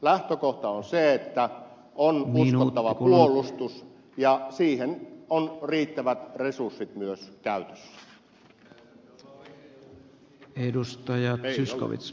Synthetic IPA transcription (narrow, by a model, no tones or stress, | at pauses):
læht̪økoht̪ɑonseet̪ːæ | ʔonusknot̪ːɑʋɑpuolˑust̪us | jɑsiːhenonriːt̪ːæʋæt̪resursːit̪myøskæyt̪ø̥sːæ̥ | edust̪ɑjɑt̪syskko̰ʋḭt̪s